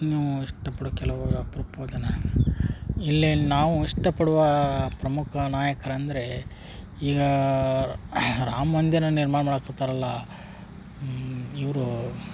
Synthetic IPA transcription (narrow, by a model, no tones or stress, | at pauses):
nuiʂʈɐpɐɽuɐkɛlɐʋɐpɾɐpoːd͡ʒɐnɐ | ilːinaːʋuiʂʈɐpɐɽuʋɐpɾɐmukʰɐnaːjɐkʰɐɾɐːnd̪ɐɾe̞ | iːɡɐ | ɾaːmɐnd̪jɐɾɐniɾmaːɳɐmaːɽɐkːɐt̪aːɾɐlːɐ | iʋɐɾu